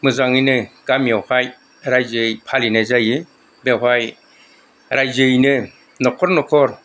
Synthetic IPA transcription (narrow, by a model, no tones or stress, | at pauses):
mɯzaŋɯjnɯɡ̥amjɔwhaj | ɾajzɯjpʰalinazajɯ | bewɦaj | ɾajzɯjnɯ | nɔkʰɔɾnɔkʰɔɾ